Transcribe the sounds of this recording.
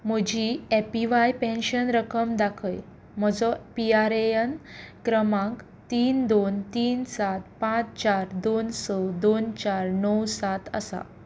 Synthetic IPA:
m̤əd͡ʑiepiʋajpẽnɕənɾəkəmd̪akʰəj | m̤əd͡zɔpiaɾejənkɾəmãk | t̪iːnd̪ont̪iːnsat̪̚pãt͡st͡ɕaɾd̪onsɔd̪ont͡ɕaɾnəwsat̪ə̰sa̰

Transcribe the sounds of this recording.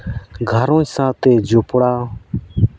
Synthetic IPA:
ɡʱəɾõːsãːt̪eːd͡ʒʊpɽaː

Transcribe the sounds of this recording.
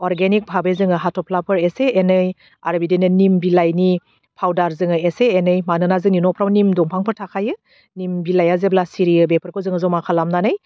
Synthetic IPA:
ɔɾɡenik̚pʰabezɯŋɯɦatʰɔpʰlapʰɯɾeseenɯj | a̰ɾbidenɯnimbilajni | pʰawdaɾzɯŋɯeseːnɯjmanɯnazɯŋninɔpʰɾawnimdɔŋpʰaŋpʰɯɾtʰakʰajɯ | nimbilajazeblasiɾiɯbepʰɯɾkʰozɯŋɯzɔmakʰalamnanɯj

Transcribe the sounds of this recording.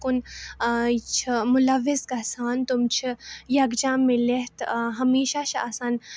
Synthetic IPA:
kʊn | t͡ʃʰmʊlɐʋːɪzɡɐsaːnt̪umt͡ʃʰijɐɡd͡ʒãːmẽleɦt̪ɦɐmiːʃat͡ʃʰa̰saːn

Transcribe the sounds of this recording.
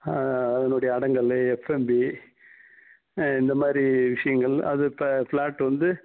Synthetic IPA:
ɐðɐnɯɽɐjɐːɽɐŋɡɐɭɛfɛmbi | ɪnd̪ɐmaːd̪ɾiʋɪʂɐjɐŋɡɐɭɐ̰ðɯpfɭaːʈːʋɐnd̪ɯ

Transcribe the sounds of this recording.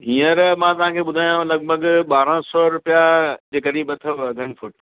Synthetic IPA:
ɦiːəɾmãt̪ɐʋ̤ãkʰeːɓʊd̪ʱaːjũlɐɡ̚bʱəɠɓaːɾə̃sɔɾʊpjad͡ʑeːkəɗibɐt̪ʰəʋɡɐnfʊʈ

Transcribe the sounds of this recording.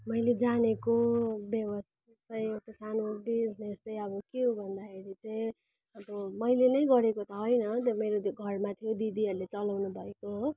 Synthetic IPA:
mʌjled͡zanekobjʌβʌst̪it͡sʌj̃ekʈasanobid͡znest͡sʌj̃ʌbʌkiobʱʌnd̪akʰeɾit͡sʌĩ | ʌbʌmʌjlenʌjɡʌɾekot̪ʌɦojnʌt̪ʌmeɾoɡʱʌrmat̪ʰijod̪id̪iɦʌɾulet͡sʌlawnubʱʌekoɦo

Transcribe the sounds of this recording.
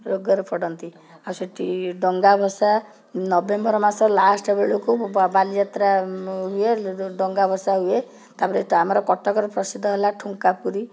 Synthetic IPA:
ɾoɡɔɾɔpʰɔɽɔnt̪i | awseʈʰiɖɔŋɡabʱɔsa | nɔbembɔɾɔmasɔlasʈɔbeɭukubalid͡ʒat̪ɾaɦueɖɔŋɡabʱɔsaɦue | t̪apɔɾeamɔɾɔkɔʈʰɔkɔɾɔpɾɔsid̪ʱːɔɦelaʈʰuŋkapuɾi

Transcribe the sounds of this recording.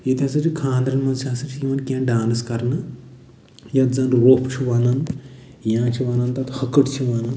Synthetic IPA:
et̪ʲjasɐt͡ʃʰikʰãːnd̪ɾɐnmɐnʃʰʲaːsɐt͡ʃʰiiʋɐnkʲãːɖaːnskɐɾnɨ | jɐt̪zɐnɾoːpt͡ʃʰiʋanɐn | jãːt͡ʃʰiʋɐnant̪ɐt̪hɐkəʈt͡ʃʰiʋanan

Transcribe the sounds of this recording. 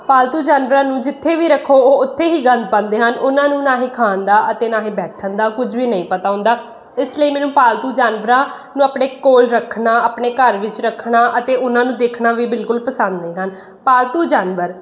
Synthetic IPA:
paːlt̪uːd͡ʒaːnʋəɾãːnũːd͡ʒɪt̪ʰːeːʋiːɾəkʰːoːoːʊt̪ʰːeːɦiːɡənd̪̚pə̃nd̪eːɦənʔʊnãːnũːnaːɦĩːkʰaːənd̪aːʔət̪eːnaːɦĩːbɛːtʰənd̪aːkʊd͡ʒʋiːnəĩːpət̪aːɦʊ̃ːnd̪aː | ɪsləiːmɛːnũːpaːlt̪uːd͡ʒaːnʋəɾãː | nũːaːpɳeːkoːlɾəkʰnaːaːpɳeːkəɾʋɪt͡ʃɾəkʰnaːʔət̪eːʊnãːnũːd̪eːkʰnaːʋiːbɪlkʊlpəsənd̪neːɦən | paːlt̪uːd͡ʒaːnʋəɾ

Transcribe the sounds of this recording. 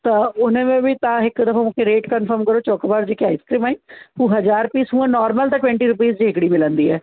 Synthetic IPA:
t̪ãʊnẽːmẽːʋiːt̪ãːɪkd̪əfʰãːũkeɾeːʈkənpʰəɾmkəɾoːt͡ʃɔːkːbaːɾd͡ʒeːkiaːiːskɾiːmaːĩːũːɦəd͡ʒaːɾpiːsũːãːnɔːɾməlt̪ãːʈwɛ̃ɳʈiːɾʊp̬iːzd͡ʒẽːkɽiːmɪlə̃nd̪iːɛː

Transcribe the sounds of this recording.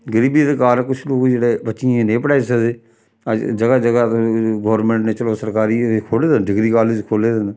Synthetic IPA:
ɡəɾiːbid̪ekaːɾkʊt͡ʃʰloːkd͡ʒeːeːbətːʃɪẽːnẽːpəɽaːesəd̪eː | əd͡ʒd͡ʒəɡaːd͡ʒəɡaːɡoːɾmẽːɳʈneːt͡ʃəloːsəɾkaːɾiːkʰoːleːd̪enɖɪɡɾiːkaːleːd͡ʒkʰoːleːd̪en

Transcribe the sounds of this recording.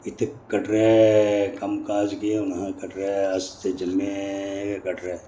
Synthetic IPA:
ɪt̪ʰkːɐʈɾekɐmkaːd͡ʒkieʊnãkɐʈɾeɐst̪ed͡ʒɐmːekɐʈɾe

